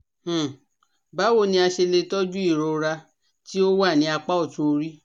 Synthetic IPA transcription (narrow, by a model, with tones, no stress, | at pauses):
h̩˨ | ba˨˦wo˦˨nĩ˧a˧ʃe˧le˧tɔ˦d͡ʒu˦i˦˨ɾo˧ɾa˧ | ti˦o˦wa˦˨nĩ˨˦a˧k͡pa˦ɔ˦˨tu˦o˧ɾi˦